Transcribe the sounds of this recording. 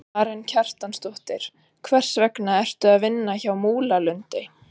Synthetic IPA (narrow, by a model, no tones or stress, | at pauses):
aɾɛncʰar̥t̪anst̪ɔht̪ɪɾ̥ | kʰvɛr̥svɛknaɛr̥t̪ʏaðvɪnːaçawmuːlalʏnt̪ɪ